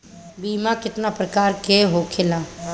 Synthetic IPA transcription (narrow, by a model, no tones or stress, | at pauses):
biːmakɪt̪napɾəkaːɾkeɦoːkʰɪlaː